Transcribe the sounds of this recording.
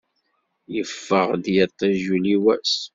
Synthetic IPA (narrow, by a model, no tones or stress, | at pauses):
jəfːəʁd̪jət̪ˤːæʒuliwæ̰s